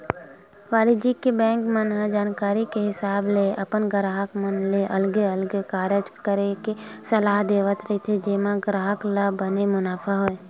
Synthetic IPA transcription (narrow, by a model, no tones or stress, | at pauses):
ʋaːɽid͡ʒikebɛ̃ːŋkmənɦəd͡ʒaːnkaːɾikeɦɪsaːbleʔɐpənɡɾaːɦəkmənleʔɐlɡeɐlɡkaːɾəd͡ʒkəɾekesɐlaːɦd̪eːʋət̪ɾɐɦit̪ʰed͡ʒeːmaɡɾaːɦəklabənemʊnaːfʰaɦoe